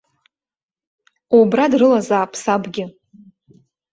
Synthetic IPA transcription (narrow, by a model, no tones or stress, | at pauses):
obradrɨlazaːpʰsabɡʲɪ